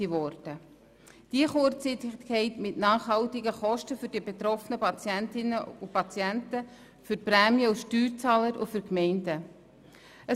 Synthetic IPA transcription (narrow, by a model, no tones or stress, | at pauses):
iʋɔɾd̥ə | d̥iəχɔɾt͡sitɪkʰɛɪtmɪtnɑːχɦɑltɪɡəχɔʃtəfʏɾd̥iəbet̪ɾɔfnəpɑt͡sjæntɪnːəupɑt͡sjæntə | fʏɾpɾæːmjəʊʃtyːɾt͡sɑːləɾʔʊfʏɾkmɛɪndə | ə